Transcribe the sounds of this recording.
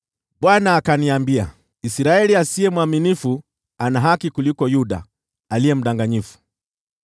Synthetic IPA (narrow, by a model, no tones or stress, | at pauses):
ɓwanaːkaniambia̰ | isiɾaɛliasiɛmwaminifu | anaɦakikulikɔjuɗa̰ | alijɛm̩ɗaŋɡaɲifu̥